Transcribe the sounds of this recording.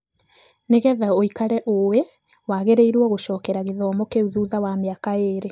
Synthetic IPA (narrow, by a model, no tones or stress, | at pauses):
neɣɛðaoikaɾɛʔowɛ | waɣeɾeiɾwɔɣoʃɔːkɛɾaɣeðɔːmɔkeuðuːðawameakaeːɾe